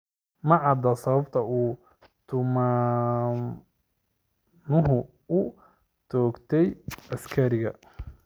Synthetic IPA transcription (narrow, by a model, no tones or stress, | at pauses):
mɐʕɑd̪ɐsɐβɐbt̪ʰɐuː | t̪ʰʊmaː | nʊɦʊ | ʊ | t͡ʃɔːɡt̪ʰɛjɐskʰɐɾɪɣɐ